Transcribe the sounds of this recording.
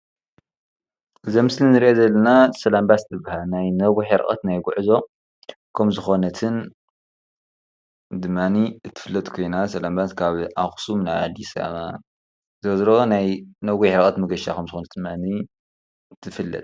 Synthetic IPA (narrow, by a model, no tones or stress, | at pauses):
ʔɨzɐmɨslinɨɾiʔezɐlːɐnasɐlambast̪ɨbahalnajnɐɡuħɪɾʔʼɐ̰t̪najɡuʕzo̞ | kʰɐmzɨxo̞nɐt̪ʰɨn | d̪ɨmːaniɨt̪ʰːɨ̥fɨlːɐt̪kʰo̞jnasɐlambaskʰaβʔaxsumnaβa̰d̪isa̰βa̰ | zɐzɾonajnɐɡuħɪɾkʼɐt̪mɐɡɐʃa̰kʰɐmzɨxonɐt̪d̪ɨmːani | t̪ʰːɨfɨlːɐ̰t̪̚